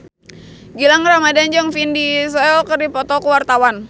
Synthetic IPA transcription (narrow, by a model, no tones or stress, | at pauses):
ɡilaŋramadand͡ʒəŋfindis̬ɔɛlkərdipɔt̪ɔkuwart̪awan